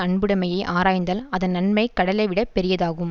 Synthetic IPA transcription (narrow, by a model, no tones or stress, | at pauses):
ɐɳbɯɽɐmɐjɐɪʔaːɾaːjnd̪ɐːlɐðɐnnːɐnmɐɪkːɐɽɐlɐʋɪɽɐpːɛɾɪjɐðaːɣɯm